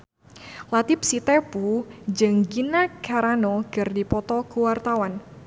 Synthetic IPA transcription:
lat̪ɪp̚sit̪epud͡ʒɨəŋɡinakaɾanɔɡ̥ərdipɔt̪ɔkuwart̪awan

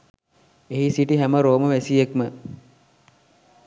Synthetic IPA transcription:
eɦisiʈiɦæməɾoːməʋæsijekmə

